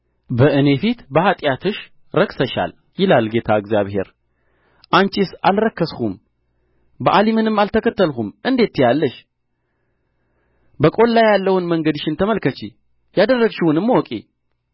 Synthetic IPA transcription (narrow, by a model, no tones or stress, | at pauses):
bəʔɨne̞fit̪bəhat̪ʼjat̪ʰɨʃ | ɾəksəʃa̰l | jɪlalɡe̞t̪ʰaɨɡzjaβhe̞̰ɾ | ʔant͡ʃʼisalɾəkːəshum | bəʔalimɨnɨmːalt̪ʰəkʰət̪ːəlhumʔɨnd̪e̞t̪ːɪjalːəʃ | bəkʼo̞nlajːalːəwɨnməŋɡəd̪ʃɪnt̪ʰəməlkət͡ʃi | jad̪ərːəɡʃiwʊnɨmːwɔkʼḭ